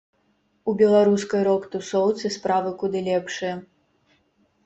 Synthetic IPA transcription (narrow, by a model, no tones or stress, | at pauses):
ubʲɛlˠaɾuskɐjɾɔkt̪usɔwt̪sɨspɾavɨkud̪ɨlʲɛpʂɨjɐ